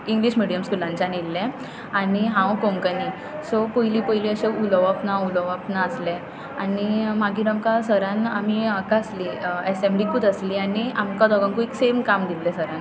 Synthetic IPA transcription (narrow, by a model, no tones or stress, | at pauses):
iŋɡliɕmiɽijəmskulãɲt͡ɕanilːẽ | aɽiɦãʋkoŋkəni | sɔpojliːpojliːəɕeuləʋapnauləʋapnaəslẽ | animaɡiːɾamkasəɾãnam̤iakaəsliesemɖikuːt̪əsliːaɽiamkad̪ɔɡãŋkueksemkamd̪ilːesəɾãn